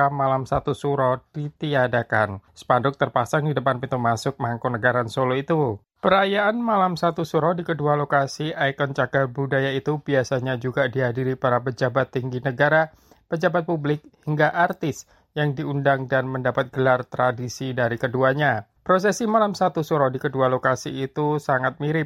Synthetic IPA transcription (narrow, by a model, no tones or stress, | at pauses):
amalamsat̪usuɾɔd̥it̪iadakansə̥pandʊk̚t̪ərpasaŋdidəpanpit̪umasʊk̚maŋkonəɡaɾansoloit̪u | pəɾajaːnmalamsat̪usuɾɔdikədualokasiʔajkɔnt͡ʃaɡabudajait̪ubiasaɲad͡ʒuɡadiɦadiɾipaɾapəd͡ʒabat̪ːiŋɡinəɡaɾa | pəd͡ʒabat̪̚publɪk̚hiŋɡaʔart̪ɪs | jaŋdiundaŋdanməndapat̪̚ɡ̥əlart̪ɾadisidaɾikəduaɲa | pɾos̬ɛsimalamsat̪usuɾɔdikədualokasiːt̪usaŋat̪̚miɾɪ